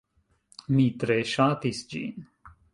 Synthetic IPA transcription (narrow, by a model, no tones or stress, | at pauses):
mit̪ɾeːʃãːt̪isd͡ʒḭːn